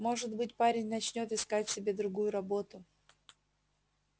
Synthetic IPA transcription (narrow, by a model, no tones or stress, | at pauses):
mo̞ʐɨt̪bɨtʲpaɾʲɪnʲnɐt͡ɕnʲo̞t̪ɨskatʲsʲɪbʲe̞d̪ɾʊɡujʊɾɐbo̞t̪ʊ